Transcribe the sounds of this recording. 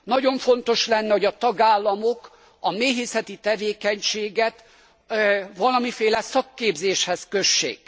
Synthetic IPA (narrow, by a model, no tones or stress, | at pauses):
nɒɟo̞ɱfo̞nt̪o̞ʃlɛnːɛho̞ɟɒt̪ɒɡaːlːɒmok | ɒmeːɦeːsɛt̪it̪ɛveːkɛɲʃeːɡɛt̪ | ʋɒlɒmifeːlɛsɒkːeːbzeːʃhɛskø̞ʃːḛːk